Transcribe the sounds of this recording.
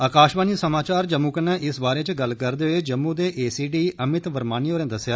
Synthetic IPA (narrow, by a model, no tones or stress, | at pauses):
aːkaːʃbaːniːsəmaːt͡ʃaːɾd͡ʒəmːuːkənɛ̃ːʔɪsbaːɾeːt͡ʃɡəlkəɾd̪eːɦoeːd͡ʒəmːũːd̪eːʔeːsiːɖiːʔəmɪt̪ʋəɾmaːnioːɾẽːd̪əsjaː